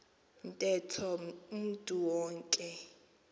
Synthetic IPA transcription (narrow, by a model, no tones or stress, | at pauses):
n̩tʼɛtʰɔm̩tʼuwɔːŋkʼɛ